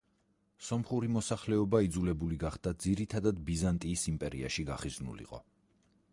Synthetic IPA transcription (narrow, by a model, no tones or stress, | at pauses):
sɔmχuɾimɔsaχlɛɔbaid̪zulɛbuliɡaχd̪̥ad̪ziɾit̪ʰad̪ad̪bizant̪ʼiːsimpʼɛɾḭa̰ʃiɡaχiznṵlḭqʼɔ̰